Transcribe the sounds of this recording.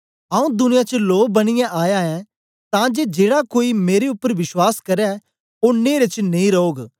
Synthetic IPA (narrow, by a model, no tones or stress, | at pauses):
ɐːũd̪ʊnɪjat͡ʃəloːbɐɽ̃ɪjɛ̃ʔaːjaɛ̃ | t̪ãd͡ʒed͡ʒeːɽakoːimeːɾeʊpːəɾʋɪswaːskɐɾɛ | oneːɾet͡ʃnɐĩɾɐoːɡ